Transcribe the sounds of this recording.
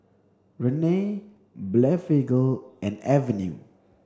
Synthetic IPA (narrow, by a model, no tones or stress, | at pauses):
ɹɛne | blɛfeɡəlʔɛ̃nɛvɛnjṵ